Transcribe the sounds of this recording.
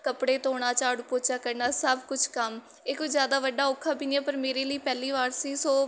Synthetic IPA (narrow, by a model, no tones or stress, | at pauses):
kəpɽeːt̪oːɽ̃aːt͡ʃaːɽpoːt͡ʃaːkəɾnaːsəbkʊt͡ʃʰkəm | ɪkːzjaːd̪aːʋəɖaːokʰːaːpiːnjãːpəɾmeːɾeːləiːpɛːliːʋaːɾsiːsoː